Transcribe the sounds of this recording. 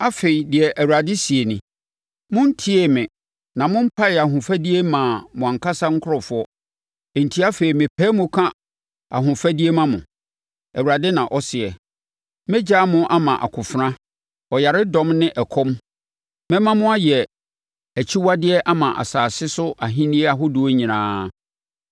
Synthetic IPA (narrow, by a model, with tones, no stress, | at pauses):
a˦fe˨i˨dɪ˨ɛ˨ʔæ˨wu˨ɾa˨dɪ˦si˨e˨nɪ̃˨ | mʊ̃˦n˦tʰi˦e˨mɪ̃˨ | nã˨mʊ̃˦m̩˦pʰa˦ɪ˨a˨hʊ̃˨fæ˦di˦e˦mã˨mʊ̃˨ã˨ŋkʰa˦sa˦ŋ̩˦kʰʊ˦ɔ˨fʊ˦ɔ˦ | e˨n̩˨tʰi˦a˦fe˨i˨mɪ̃˨pʰɛ˦mʊ̃˦kʰã˦ | a̰˨ɦʊ̃˨fa˦di˦e˦mã˨mʊ̰̃˨ | ɛ˨wu˨ɾa˨dɪ˦nã˨ʔɔ˦sɪ˨ɛ˨ | mɛ̃˦d͡ʑa˦mʊ̃˦ʔa˦mã˨ʔa̰˨kʰʊ˨fɾã˦ | ɔ˨ja˨ɾɪ˦dɔ̃˦mnɪ̃˦ʔɛ˨kʰɔ˦m | mɛ̃˦mã˦mʊ̃˦a˦jɛ˨ | æ˨t͡ɕʰi˦wa˦dɪ˦ɛ˦ʔa˦mã˨ʔa̰˨saː˨sɪ˦sʊ˦ʔa˨ɦĩ˦nɪ˦ɛ˦a˨ɦʊ˦dʊ˨˦o˦ɲĩ˨nãː˦